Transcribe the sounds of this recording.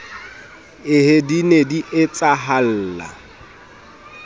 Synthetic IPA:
ɪhedinediʔɪt͡sʼaɦal̩ːla̰

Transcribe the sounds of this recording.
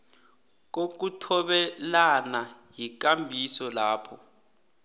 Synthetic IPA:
k̬ok̬utʰɔɓɛlanajik̬ambʱisɔlaːpʰɔ

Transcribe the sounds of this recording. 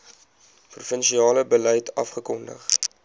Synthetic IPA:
prufənʃiɑːləbəlɛjtɐfχəkɔndə̰χ

